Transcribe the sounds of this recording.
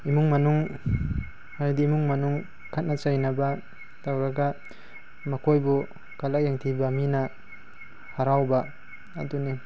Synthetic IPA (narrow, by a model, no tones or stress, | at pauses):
imuŋmɐnuŋ | haɾdiːmuŋmɐnuŋ | kʰat̚nat͡ʃajnaba | tawɾaɡa | mɐkʰojbu | kalak̚jaŋtʰibamina | haɾawba̰ː | duni